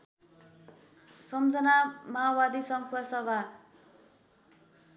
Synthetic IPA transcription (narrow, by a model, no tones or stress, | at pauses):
sʌmd͡zʌnamabad̪isʌŋkʰuʌsʌbʱa